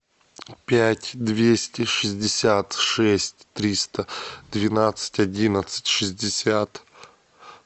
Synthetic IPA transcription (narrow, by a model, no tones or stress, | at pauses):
pʲætʲd̪vʲesʲtʲɪʂɨzʲdʲɪsʲat̪ʂɛsʲtʲt̪ɾʲist̪əd̪vʲɪnat̪sɨ̥tʲɐdʲinət̪sɨ̥tʲʂɨzʲdʲɪsʲat̪